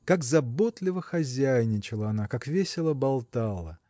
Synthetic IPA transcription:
kakzɐbo̞t̪lʲɪvəxɐzʲæjnʲɪt͡ɕɪlˠəɐnakakvʲesʲɪlˠəbɐlˠt̪alˠə̰

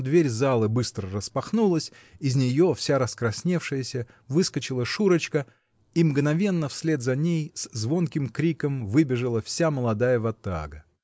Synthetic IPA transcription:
d̪vʲeɾʲzalˠəbɨst̪ɾərəspɐxnulˠəsʲ | ɪzʲnʲɪjo̞fsʲaɾəskɾɐsʲnʲe̞fʂɨjəsʲə | vɨskət͡ɕɪlˠəʂuɾət͡ɕkə | imɡnɐvʲe̞nːəfsʲlʲe̞d̪zɐnʲejszvo̞nkʲɪmkɾʲikəmvɨbʲɪʐɨlˠəfsʲaməlˠɐd̪ajəvɐt̪a̰ɡə

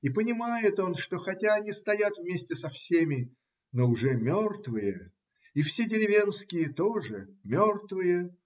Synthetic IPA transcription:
ipənʲɪmajɪt̪o̞nʂt̪o̞xɐtʲaɐnʲist̪ɐjat̪vmʲesʲtʲɪsɐfsʲemʲɪ | noʊʐɛmʲort̪vɨjə | ifsʲedʲɪɾʲɪvʲe̞nskʲɪjət̪o̞ʐɨmʲort̪vɨjə

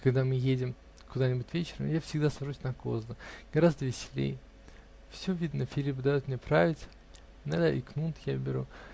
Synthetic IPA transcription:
kɐɡd̪amɨjedʲɪm | kʊd̪anʲɪbʊtʲvʲet͡ɕɪɾə̰mjafsʲɪɡd̪asɐʐusʲnɐko̰zd̪əɡɐɾazd̪əvʲɪsʲɪlʲḛj | fsʲɵvʲid̪nəfʲɪlʲip̬d̪ɐjot̪mnʲepɾavʲɪtʲ | nad̪əʔɪknut̪jabʲɪɾṵ

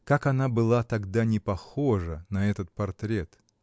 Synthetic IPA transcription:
kakɐnabɨlˠat̪ɐɡd̪anʲɪpɐxoʐənɐɛt̪ət̪̚pɐrt̪ɾʲet̪

